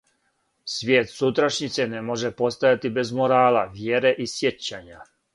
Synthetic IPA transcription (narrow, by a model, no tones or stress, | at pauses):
sʋjeːt̪sut̪ɾaʃɲit̪sɛnɛmoʒɛpost̪ajat̪ibɛzmoɾaːlaʋjeɾɛʔisjet͡ɕːaɲa